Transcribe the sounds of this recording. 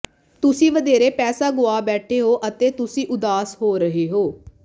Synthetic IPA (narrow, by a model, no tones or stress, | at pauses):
t̪ʊsĩːʋəd̪eːɾeːpɛːsaːɡʊaːbɛːʈʰeːɦoːʔət̪eːt̪ʊsĩːʔʊd̪aːsɦoːɾəɦeːɦoː